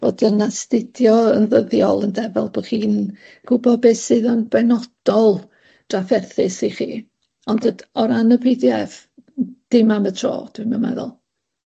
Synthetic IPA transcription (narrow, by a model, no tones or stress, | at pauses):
vodənastɪd̥jɔənðəðjɔlˠəndɛvɛ̰lˠb̥ɔχiːn | ɡ̥ʊbɔbeːsɨðɔnbɛnɔd̥ɔlˠ | d̥rafɛrθɪsiχḭː | ɔndədɔɾanəbɪdjav | d̥ɪmamətʰro̰ːd̥wɪmamɛ̰ðɔ̰lˠ